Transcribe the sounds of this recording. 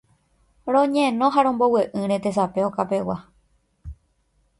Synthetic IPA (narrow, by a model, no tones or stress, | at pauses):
ɾõɲẽnõɦaɾõmbo̞weʔɨ̃ɾẽt̪es̬apeokapewa